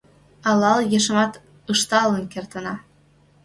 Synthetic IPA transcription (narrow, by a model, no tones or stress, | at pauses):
ɑlɑljeʃəmɑt̪ | əʃt̪ɑlənkert̪ənɑ